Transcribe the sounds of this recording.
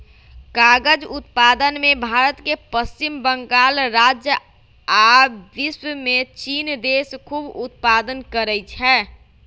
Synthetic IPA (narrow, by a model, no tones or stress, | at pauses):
kaɡəd͡ʒut̪pad̪ənmebʱaːɾət̪kepəst͡ʃimbəŋɡaːlɾad͡ʒjə | aʋiswəmet͡ʃind̪eskʰubut̪̚pad̪ənkəɾət͡ʃʰɛː